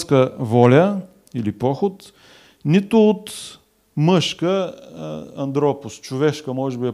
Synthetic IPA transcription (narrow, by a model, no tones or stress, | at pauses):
skəvɔlʲə | ilipɔxʊt̪ | nit̪ʊːt̪ | mɤʃkə | ɐ̰nd̪ɾɔpʊst͡ʃʊvɛʃkəmɔʒɛbiɛ